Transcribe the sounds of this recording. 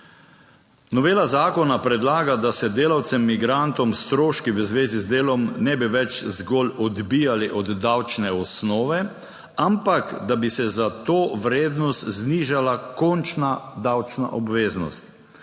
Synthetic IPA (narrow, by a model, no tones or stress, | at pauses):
nɔʋeːlazaːkɔnapɾɛd̪laːɡad̪asɛd̪eːlawt̪sɛmːiɡɾant̪ɔmst̪ɾoːʃkiʋəzʋeːzizd̪eːlɔmnɛbiʋɛt͡ʃzɡɔlɔd̪bijaliʔɔd̪ːawt͡ʃnɛɔsnɔːʋɛ | ampakd̪abisɛzat̪oːʋɾeːd̪nɔst̪zniːʒalakɔnt͡ʃnad̪awt͡ʃnaʔɔbʋeːznɔ̰st̪